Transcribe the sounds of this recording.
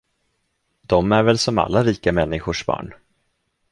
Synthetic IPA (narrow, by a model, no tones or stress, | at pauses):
d̪̥ɔmæɾvɛlsɔma̰lːaɾiːkamɛnːɪɧʊʂbɑ̰ːɳ